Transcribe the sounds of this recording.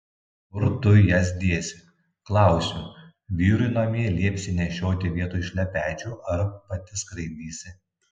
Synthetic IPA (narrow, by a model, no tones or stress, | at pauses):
ʊɾt̪ʊjɛsʲd̪ʲiɛsʲɪ | klˠɑˑʊsʲuː | ʋʲiːɾʊɪnomʲiɛlʲiɛpʲsʲɪnʲɛʃʲoːt̪ʲɪʋʲiɛt̪uːɪʃʲlʲɛpʲæːt͡ʃʲuːʔɐɾpɐt̪ʲɪskɾɐɪd̪ʲiːsʲɪ